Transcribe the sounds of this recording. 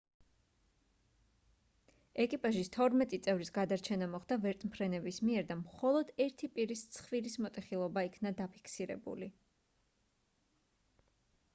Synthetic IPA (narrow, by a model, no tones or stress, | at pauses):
ɛkʼipʼaʒist̪ʰɔɾmɛt̪ʼit̪sʼɛvɾisɡad̪aɾt͡ʃʰɛnamɔχd̪avɛɾt̪ʼmpʰɾɛnɛbismiɛɾd̪amχɔlˠɔd̪ɛɾt̪ʰipʼiɾist̪sʰχviɾismɔt̪ʼɛχilˠɔbaikʰnad̪apʰi̥kʰsiɾɛ̰bṵli